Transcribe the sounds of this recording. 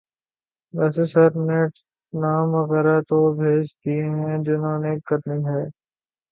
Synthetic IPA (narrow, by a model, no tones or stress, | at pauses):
ʋɛːsesəɾneːʈ | naːmʋɐɣɛːɾat̪obʱeːd͡ʒd̪ieɦɦɛ̃d͡ʒɪnɦõːneːkɐɾniɦɛː